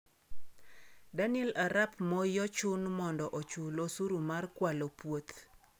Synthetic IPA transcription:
danɪɛlaɾapmɔjɔt͡ʃʊnmɔndɔʔot͡ʃulosuɾumarkwalopwot̪

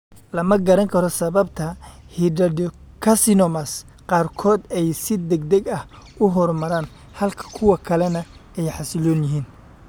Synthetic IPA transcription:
lɐmɐɡɐɾɐŋkʰɐɾɔsɐβɐbt̪ʰɐhidɐdɔkʰɐsɪnɔmɐs | qɑːrkʰɔːd̪ɛjsɪd̪ɛɡd̪ɛɡɐh | ʊɦɔrmɐɾaːn | hɐlkʰɐ̥kʰʊwɐkʰɐlɛnɐɛjħɑsɪlɔːnjɪɦiːn

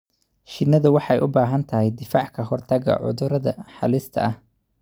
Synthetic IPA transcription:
ʃɪnːɐðɐwɑħɑjʔʊbaːɦɐnt̪ʰɐɦɛjd̪ɪfaːʕkʰɐɦɔrt̪ʰɐɣɐ̰ʕʊ̰ðʊɾɐðɐ̰ħɑ̰lɪst̪ʰɐ̰ʔɐh

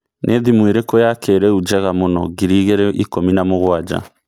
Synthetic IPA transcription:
nʔeðimweɾekojakʰeɾɛud͡ʒɛɣamonɔ̰ɣiɾiɣeɾɛʔikominamoɣwad͡ʒa̰

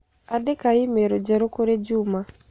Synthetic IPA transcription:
adekaɪmeɾod͡ʒɛɾokoɾed͡ʒuma

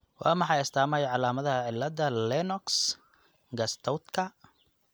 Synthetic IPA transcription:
wɑ̰ːmɑħɑjɐst̪ʰaːmɐjɐʕɑlaːmɐðɐɦɐʕɪlːɐðɐlɛnɔks | ɡɐst̪ʰɔwt̪kʰɐ

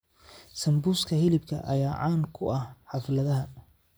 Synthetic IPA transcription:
sɐmbuːskʰɐhɪlɪbkʰɐ̰ʔɐ̰jaːʕɑːŋkʰʊɐhħɑflɐðɐɦɐ

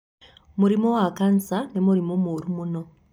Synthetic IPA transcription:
muɾimowakansanemuɾimomuːɾumuno̞

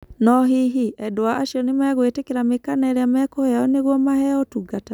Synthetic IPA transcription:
nɔɦiɦiɛdoaʔaɕiɔnemɛɣwetekeɾamekanɛɾeamɛkohaɔneɣwɔmahɛɔtuɡata

